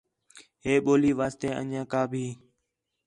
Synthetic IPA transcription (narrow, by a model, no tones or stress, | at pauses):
ɦeːɓoːliːʋaːst̪eːʔə̰ɲãːkaːbʱiː